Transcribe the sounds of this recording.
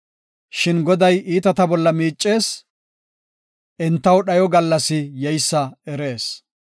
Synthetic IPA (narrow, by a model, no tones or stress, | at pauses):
ʃɪnɡɔd̪ɐjiːt̪ɐt̪ɐbɔlːɐmiːt͡ʃʼːe̞ːs | ʔɛnt̪ːɐwɗɐjɔɡɐlːɐsɪjɛjsːɐɛɾe̞ːs